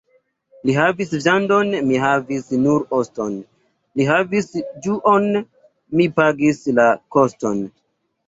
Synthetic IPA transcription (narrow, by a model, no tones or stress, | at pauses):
liɦavisʒandonmiɦavisnuɾoston | liɦavisd͡ʒuʔon | mipaɡislakosto̞n